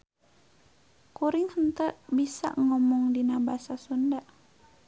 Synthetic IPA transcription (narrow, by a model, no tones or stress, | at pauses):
kuɾɪŋhənt̪əʔbisa̰ʔŋɔmɔŋdinabasasundaʔ